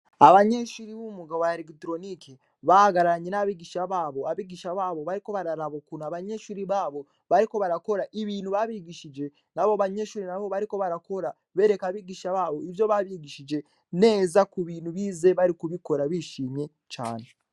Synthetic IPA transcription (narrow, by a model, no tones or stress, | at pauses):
aβaɲe̞ʃuɾiβumuɡaβwaeɾekitɾo̞nike | βahaɡaɾaɾaɲe̞naβiɡiʃaβaːβo̞aβiɡiʃaβaːβo̞βaɾiko̞βaɾaɾaβokunoaβaɲe̞ʃuːɾiβaːβo̞ | βaɾiko̞βaɾako̞ɾaʔiβiːn̤̥uβaβiɡiʃid͡ʒe̞ | naβoβaɲe̞ːʃuːɾinaβo̞βaɾiko̞βaɾako̞ɾa | βe̞ːɾe̞kaβiɡiʃaβaːβo̞iβjo̞βaβiɡiʃid͡ʒe̞ | ne̞ːzakuβiːn̤uβiːze̞βaɾikuβiko̞ɾaβiʃiːmje̞ | t͡ʃa̰ːne